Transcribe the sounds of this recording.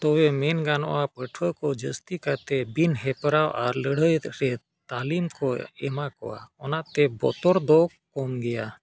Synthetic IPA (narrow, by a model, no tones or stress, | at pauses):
t̪owemenɡanɔ̰apəʈʰəkɔd͡ʒəst̪ikat̪ebinɦɛpɾawa̰ɾləɽəjɾɛ | t̪aːlimkoɛ̰makɔ̰a̰ɔnat̪ɛbɔ̰t̪ɔɾd̪okkɔmɡɛja